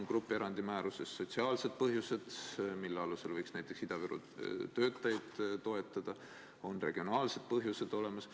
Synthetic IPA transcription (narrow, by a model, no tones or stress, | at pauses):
nkrupːˑeɾɑnd̪imæːɾuse̞sːo̞t̪ʲsiɑːlse̞d̪̥̚pɤɦjuse̞d̪̥milːeɑluse̞lvɤjksnæjt̪ːˑe̞ksid̪ɑvyɾṵ | t̪ø̞ːt̪ːˑɑjɑd̪̥t̪o̞e̞t̪ːˑɑd̪̥ɑ | o̞nre̞ɡ̥io̞nɑːlse̞d̪̥̚pɤɦjuse̞d̪̥o̞le̞mɑs